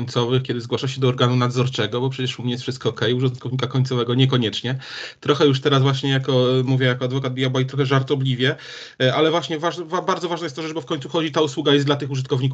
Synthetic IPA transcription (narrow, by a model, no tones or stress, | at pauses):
ɲt̪sɔvɘxkʲɛd̪ɘzɡwaʂaɕ̬ɛd̪ɔːɾɡanunad̪zɔɾt͡ʂɛɡɔbɔpʂɛt͡ɕɛʂumɲɛjɛsfʂɘst̪̚kɔːkɛjuʐɔt̪̚kɔvɲikakɔɲʲt̪sɔvɛɡɔɲɛkɔɲɛt͡ʂɲɛt̪ɾɔxɛjuʂt̪ɛɾazvwaɕɲɛjakɔmuvʲjɛjakɔad̪vɔkad̪̚bʲjabajt̪ɾɔxɛʐaɾt̪ɔblʲivʲjɛ | ʔalɛvwaɕɲɛvaʐvabaɾd̪zɔvaʐnajɛst̪ːɔʐɛt͡ʂbɔfkɔɲ̃t̪suxɔd͡ʑit̪auswuɡajɛsd̪lat̪ɘxuʐɨt̪kɔvɲiku